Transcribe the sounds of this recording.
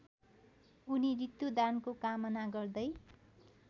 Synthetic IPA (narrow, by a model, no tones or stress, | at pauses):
unirit̪jud̪ankokamʌnaɡʌrd̪ʌj